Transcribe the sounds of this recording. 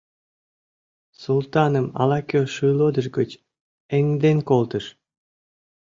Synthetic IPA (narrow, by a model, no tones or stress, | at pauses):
sulˠt̪ɑnəmɑ̰lɑkʲøʃɯjlod̪əʒɡət͡ɕ | eŋd̪enkolˠt̪əʃ